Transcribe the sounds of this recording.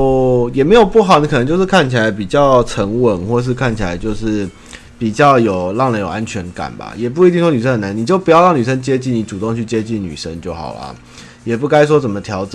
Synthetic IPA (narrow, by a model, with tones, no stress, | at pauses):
jɛ˨˩me˧˥ɪjo˨˩ʊpu˥˩ɦɑ˨˩ʊni˧k̪ʰə˧˦t͡ɕo˥˧ʊʂ̩˥˧kʰa˥˩nt͡ɕʰi˨˩la˧˦ɪpi˨˩t͡ɕjɑ˥˩ʊʈ͡ʂʰə˧˥ŋwə˨˩nxwɔ˥˧ʂ̬ɻ̩˥˧kʰa˥˩nt͡ɕʰi˨la˧˦ɪt͡ɕjo˥˧ʊʂɻ̩˥˩ | pi˨˩t͡ɕjɑ˥˩ʊjo˨˩ʊlɑ˥˩ŋlə˧˦jo˨˩ʔa˦˥nt͡ɕʰɥɛ˧˥nka̰˨˩nba̰˩jɛ˨˩p̬u˥˩i˧i˥˩ŋswɔ˥ny˨˩ʂə˥nhə˨˩na˧˦ni˨˩t͡ɕjo˥˩ʊpu˧˥jɑ˥˧ʊɻɑ˥˩ŋny˨˩ʂ̬ə˥nt͡ɕjɛ˥t͡ɕi˥˩ni˧˥ʈ͡ʂu˨˩t̪o˥˧ŋt͡ɕʰy˥˩t͡ɕjɛ˥t͡ɕi˥˩nny̰˨˩ʂə˦˥nt͡ɕjo˥˩ʊxɑ̰˨˩ʊlɐ̰˦ | jɛ˨˩pu˥˩ka˥ɪs̬wɔ˥t͡sə˨˩mə˩t̪ʰjɑ˧˥ʊʈ͡ʂə˨˩